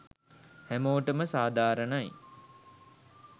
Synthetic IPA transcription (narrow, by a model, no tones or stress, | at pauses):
hæmoːʈəməsaːd̪aːɾənaj